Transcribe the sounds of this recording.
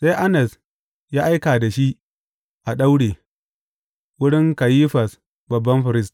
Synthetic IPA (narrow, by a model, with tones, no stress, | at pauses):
sa˦ʔa˦nɛ˨s | jaː˦ʔa˦jkaː˨da˨ʃi˦ʔ | ʔa˨ɗa˦wɽeː˨ | wʊ˦ɽɪ˦ŋka˨jiː˦ɸɐ˨s | bɐ˨bːɐ˦mɸɪ˨ɾɪ˦st